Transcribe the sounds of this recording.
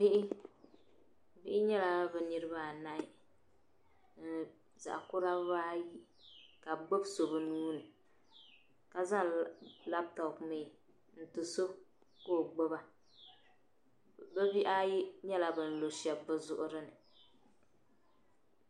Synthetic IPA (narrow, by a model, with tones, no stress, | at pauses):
bɪ˦ʔɪ˦ | bɪ˦ʔɪ˦ɲɛ˦la˦bɨ˨nɨ˦ɾɨ˦ba˦˨na˦ɪ˦ | n̩˨ | za̰˨ʔkʊ˦ɾa˦baː˦ji˦ | ka˨ɡ͡bo˦bso˨bɨ˨nuː˦nɨ˨ | ka˨za˦la˦b̚tɔ˨kmeː˨ | n̩˦tɨ˨so˦ | koː˦˨ɡ͡bo˦ba˦ | bɛ˦bi˦ʔa˦ji˦ɲɛ˦la˨bɨ˨n̩˨lo˨ʃɛ˨bːɨ˦zʊ˦ʔʊ˦ɾɨ˦nɨ˨